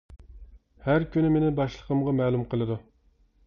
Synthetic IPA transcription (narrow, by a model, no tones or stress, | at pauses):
hæɾkʲynɪmenɪbɑʃlˠəqʰəmʁɑmɛːlˠumqʰəlˠɨd̪u